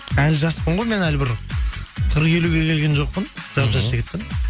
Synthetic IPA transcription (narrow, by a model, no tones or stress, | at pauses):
ælʒɑspəɴʁo̞jme̞nælbɪɾ | qʰəɾqe̞luɡʲe̞kʲʰe̞lɡʲe̞nʒo̞q̚pənʒ̥ɑpʒɑsʃʒekʰʲe̞t̪ːɪm